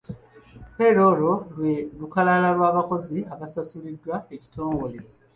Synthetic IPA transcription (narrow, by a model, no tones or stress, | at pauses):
pe̞ɾo̞ːlo̞lwelukalalalwaːβako̞ziaβasasulidːwaeci̥tʰo̞ːŋɡo̞leɾo